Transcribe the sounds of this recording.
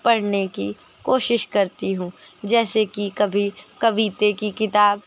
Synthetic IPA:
pɐɽ̤neki | koːʃɪʃkɐɾt̪iɦũː | d͡ʒɛːsekikɐbʱikɐʋiːt̪ekikɪt̪aːb

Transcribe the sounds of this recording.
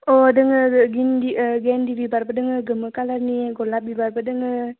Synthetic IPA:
odəŋəɡindiəɡɛndibibaɾpədəŋəɡəməkalaniɡolap̚bibaɾpədəŋə

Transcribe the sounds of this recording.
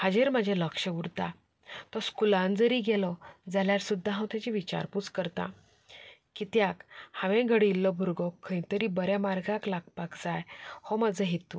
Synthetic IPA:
had͡ʑeɾmad͡ʑʱaləkʂəuɾt̪a | t̪ɔskulãnd͡zəɾiɡɛlɔd͡zaljaɾsud̪ʱːaɦãw̃t̪jat͡ɕiʋit͡ɕa̰ɾput͡skəɾt̪ã̰ | kit̪jakhãʋẽɡʱəɽilːɔbʱuɾɡɔkʰːəj̃t̪əɾiːbəɾjamaɾɡaklaɡ̚pakd͡zajhɔmad͡zəɦet̪u

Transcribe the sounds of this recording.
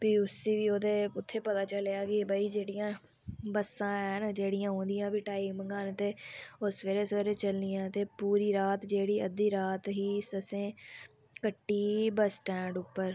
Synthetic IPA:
piːʊsiːʋiːoːd̪eːʊt̪ʰːeːpət̪aːt͡ʃəlejaːkɪbəiːd͡ʒeːɽɪjãː | bəsːãːɛnd͡ʒeːɽɪjãːɦõːnd̪ɪjãːbiːʈaːikməŋɡaːnt̪eːosʋeːɾeːsʋeːɾeːt͡ʃəlniːãːt̪eːpuːɾiːɾaːt̪d͡ʒeːɽiːəd̪iːɾaːt̪ɦiːsəsẽː | kəʈːiːbəsʈɛ̃ːɳɖʊpːəɾ

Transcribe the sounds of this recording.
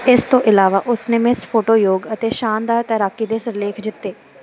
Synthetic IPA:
ɪst̪õːʔɪlaːʋaːʔʊsneːmɪspʰoːʈoːjoːɡət̪eːʃaːnd̪aːɾt̪əɾaːkiːd̪eːsəɾleːkʰd͡ʒɪt̪ːeː

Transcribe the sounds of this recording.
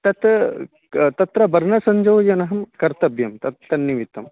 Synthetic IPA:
t̪ɐt̪ | t̪ɐt̪ɾɐbɐɾnɐsɐɲd͡ʒɐʋjɐnɐɦɐmkɐɾt̪ɐbjɐmt̪ɐt̪ːɐnːiʋit̪ɐm

